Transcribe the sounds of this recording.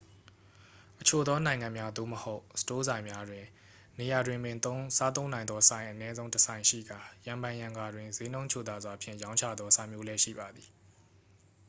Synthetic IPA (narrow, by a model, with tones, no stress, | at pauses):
ʔət͡ɕʰo˨d̪ɔ˦nã˨ɪ̃ŋã˨mja˦d̪o̰˦˨məho˦ʊsə̥to˦zã˨ɪ̃mja˦dwɪ̃˨ | ne˨ja˨dwɪ̃˨mbɪ̃˨t̪o˦sa˦t̪̬õ˦ʊ̃nã˨ɪ̃nd̪ðɔ˦sã˨ɪ̃ʔənɛ˦zõ˦ʊ̃təsʰã˨ɪ̃ʃḭ˦˨ɡa˨jã˨mbã˨jã˨ŋɡa˨dwɪ̃˨nze˦nõ˦ʊ̃ɲt͡ɕʰo˨d̪a˨zwa˨pʰjɪ̰̃˦˨jã˦ʊ̃ɲt͡ɕʰä̰˦˨d̪ðɔ˦sa˦mjo˦lɛ˦ʃḭ˦˨ba˨d̪i˨